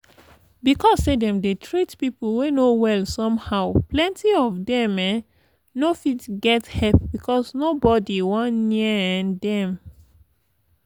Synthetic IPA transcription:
bikɔstedɛ̃mdetʰɹitpipl̩wenowɛlsɔ̃mhaʊplɛ̃ntiɔvdɛ̃mɛ̃ | nofitɡɛthɛlp̚bikʰɔsnobɔdiwɔ̃nniəɛ̃ndɛ̃m

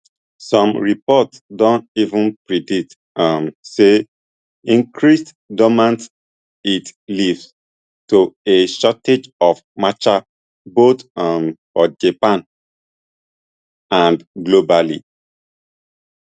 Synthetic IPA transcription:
sɔ̃mɹipɔtdɔ̃ntivũnpɹidit | amse | ĩŋkʰɹist | dɔmãnt | itlivs | toeʃɔted͡ʒɔfmat͡ʃa | bot̪mfɔd͡ʒapãn | ãndɡlobalḭ

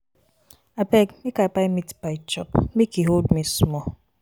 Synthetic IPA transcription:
apɛkmikapajmitbaɪt͡ʃɔpmikiɦoldmismɔ

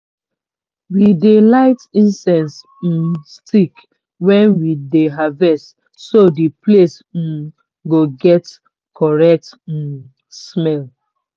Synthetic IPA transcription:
widelaɪtĩnsɛ̃ns̩ | stʰik | wɛ̃nwideɦavɛst | sodiples̩ | ɡoɡɛt | kʰɔɹɛk̚t̩ | smɛl

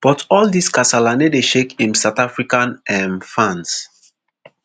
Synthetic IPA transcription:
b̥ɔtʰɔldiskasalanedeʃekĩmsaʊtafɹikãnɛ̃nfãns

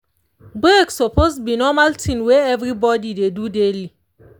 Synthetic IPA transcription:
bɹeksɔposbinɔmaltʰĩnweɛvɹibɔdidedudeli

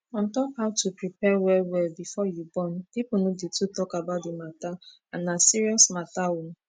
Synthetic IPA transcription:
ɔ̃n̩tɔkhaʊtʰupɾipɛwɛwɛlbifɔjubɔnpipunũditutɔkabaʊt̚demata | anasiɾiɔsmatawun̩

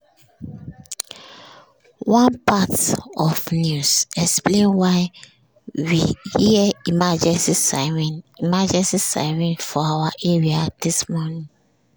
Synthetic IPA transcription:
wãnpatɔfnjusɛksplẽnwaɪ | wihiimad͡ʒɛ̃nsisɛ̃nimad͡ʒɛ̃nsisa̰ɪmɛ̃ntfɔawaʔeɹiad̥ismɔnĩŋ

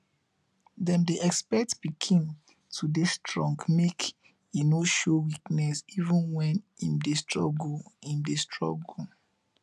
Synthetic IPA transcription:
dɛ̃mdeʔɛkspɛk̚tbikʰĩn | tʰudestɹɔ̃ŋɡmek | enoʃowiknɛsivə̃nwɛ̃nĩmdestɹɔ̰ɡoĩmdestʰɹɔ̰ɡu

